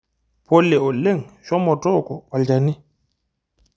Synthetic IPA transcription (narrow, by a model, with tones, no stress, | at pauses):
pʰo˦lɛ˨ɔ˨lːe˦ŋʃɔ˦mɔ˨tʼɔ˦˨kɔ˨wa˨ld͡ʒa˨ni˦